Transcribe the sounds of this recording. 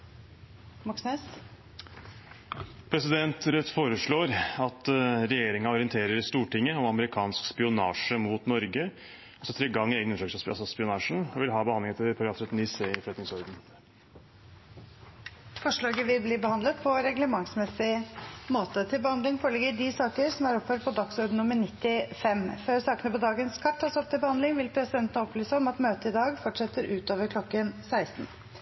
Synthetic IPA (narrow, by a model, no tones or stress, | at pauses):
mɑksnɛs | pʰɾɛsɪd̪ɛnt̪ɾœt̪ːfoːɾəʂɭoːɾɑt̪ɾɛjeːɾɪŋɑɔɾɪənt̪ʰeːɾəɾst̪uːʈɪŋːəɔmɑməɾɪkʰɑːnskspɪʊnɑːʂəmuːt̪nɔɾɡə | ɔsɔt̪ʰɾeɡɑŋːeːɡənʉnʂɑkʂɑ̰sɔspɪʊnɑːʂɳ̩ɔʋɪlɦɑːbəhɑnd̪ɪŋɛt̪ʰəpʰɑɾɑfɾœt̪nɪseɪfɭɛt̪nɪŋsɔɾd̪n̩ | fɔʂɭɑːɡəʋɪlbliːbəhɑnd̪ət̪pʰɔɾɛɡləmɑŋsmɛsːɪmoːt̪ət̪ʰɪlbəhɑnd̪lɪŋfoːɭɛɡəɖɪsɑːkəɾsɔmæɾɔpføːɖ̚pʰɔd̪ɑksɔɾd̪n̩nʊmːəɳɪt̪ːɪfɛmføːɾsɑːkənəpɔd̪ɑːɡənskʰɑt̪ʰːɑːsɔp̚t̪ʰɪlbəhɑnd̪lɪŋʋɪlpʰɾɛsɪd̪ɛnt̪ənəɔplyːsəɔmɑt̪møːt̪əɪd̪ɑːɡfɔʈʂɛt̪ːəɾʔʉːt̪oːʋəɾkʰlɔkːənsæɪst̪n̩